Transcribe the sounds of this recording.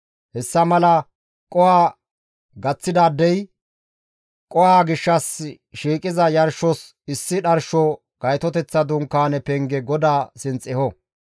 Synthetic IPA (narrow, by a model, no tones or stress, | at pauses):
hɛsːɐmɐlɐ | kʼɔwaː | ɡɐt͡sːɪd̪aːd̪ːɛj | kʼɔwaːɡɪʃːɐs | ʃiːkʼɪzɐjɐɾʃɔs | ɪsːɪɗɐɾʃɔ | ɡ̥ɐjt̪ɔt̪ɛt͡sːɐd̪ʊŋkːaːnɛpɛŋɡɛɡɔd̪aːsɪnt͡sʼɪhɔ